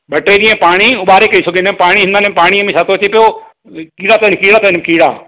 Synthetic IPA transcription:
ɓɐʈɾeɗiːẽpaːɽ̃iʊɓaːɾekɐisʰʊɡenepaːɽ̃iɦɪnd̪anepaːɽ̃iəmẽʃʰaːt̪ʰot͡ɕepijo | kiːɽaːt̪ɐnkiːɽaːt̪ɐnmkiːɽa̰ː

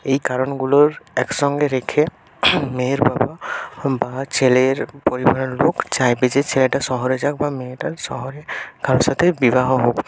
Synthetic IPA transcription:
ejkaɹɔnɡulɔɹɛksɔŋɡɛɾekʰɛ | meɹbababat͡ʃeleɹpoɹibaɹɔlokzajbɛzɛt͡ʃʰelɛʈasɔɦɔɾɛzak̚bameʈasɔ̰ɦɔɹɛɡ̥ʰʱaɹɔsat̪ʰɛbibaɦɔɦok

